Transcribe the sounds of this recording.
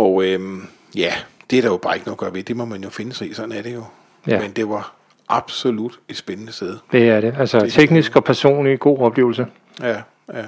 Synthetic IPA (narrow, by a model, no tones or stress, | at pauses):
ɒøm | jæd̥e̝æɾ̥ɑ̈jo̝b̥ɑ̈e̝ɡ̥ənoːɡ̥ɶɐʋed̥emɒmænjo̝fe̝nəsḭsɒ̽d̥n̩æɐɾ̥e̝jo̝ | jæmend̥e̝ʋɑ̈ | ʔɑ̈b̥so̝lud̥e̝d̥sb̥enənəsd̥eð̞ˠd̥e̝æɐɾe̝ælsɒt͡sʰeɡ̥nisɡ̥ɒ̽pʰæɐso̝̰ːnliɡ̥o̝̰ːɒ̽b̥le̝̰ːʊlsə | jæ